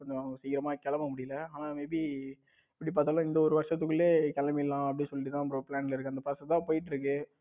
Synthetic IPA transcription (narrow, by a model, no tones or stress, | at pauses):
kɔɲd͡ʒõsɛjkɪɾɐmaːkɛlɐmamʊɽɪjɪlɐaːnaːmebi | ɪpːɐɽip̬aːɾt̪ːaːlãːɪnd̪ɐɔɾɯʋɐɾʂɐt̪̬ːɯkːɯɭːeːkɐlɐmɐɪlːãːɐpɐɽɪnsɔlːɪʈːt̪ãːɐp̬ːɾõpɪɭaːnɪlɐɪɾɯkːɯɐnd̪ɐpasɐt̪ːãːpoːjɪʈ̬ːɪɾɯk̬ːɯ